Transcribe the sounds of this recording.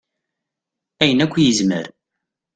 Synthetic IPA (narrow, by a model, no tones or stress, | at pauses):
æjənækʷːjəzmə̰ɾ